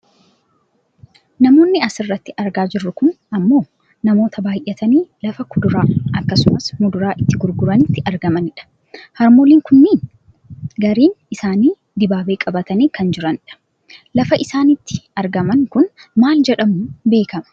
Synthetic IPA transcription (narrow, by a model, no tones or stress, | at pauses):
nɐmoːnːɪɐsɪrːɐt̪ːɪʔɐɾɡaːd͡ʒɪrːʊkʊn | ɐmːo̞ː | nɐmo̞ːt̪ʰɐbaːjʔɛt̪ɐniːlɐfɐkʊd̪ʊɾaːʔɐkːɐsʊmɐsmʊd̪ʊɾaːʔɪt̪ːɪɡʊɾɡʊɾɐnɪt̪ːɪɐɾɡɐmɐnɪᶑɐ̥ | hɐɾmoːliːŋkʊnːiːn | ɡɐɾiːnɪsaːniː | d̪ɪbaːbe̞ːkʼɐbɐt̪ɐniːkɐnd͡ʒɪɾɐnɪᶑɐ̥ | lɐfɐʔɪsaːnɪt̪ːɪ̥ɐɾɡɐmɐŋkʊnmaːld͡ʒɛᶑɐmʊbe̞ːkɐmɐ̥